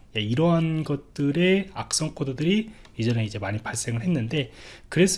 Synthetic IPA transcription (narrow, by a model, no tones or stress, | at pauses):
jaiɾʌɦanɡʌt̚t͈ɯɾe̞a̰k̚s͈ʌŋkʰododɯɾi | id͡ʑʌne̞id͡ʑe̞maɲipaɭs͈e̞ŋɯɭɦe̞nːɯnde̞kɯɾe̞s͈